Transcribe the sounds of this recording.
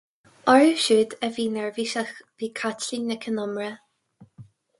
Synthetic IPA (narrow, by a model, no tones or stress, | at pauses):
ɔɹuʃuːd̪əviːnɛɹviʃaxviːkʰatlinəkʰənɔmɹə